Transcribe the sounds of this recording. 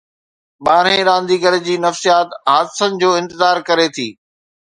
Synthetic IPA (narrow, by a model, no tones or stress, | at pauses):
ɓaːɾẽɾãːnd̪iːɡəɾɪd͡ʑiːnɐfsijaːt̪ɦaːd̪sənɪ̆d͡ʑoːɪ̃nt̪ɪzaːɾkɐɾet̪ʰiː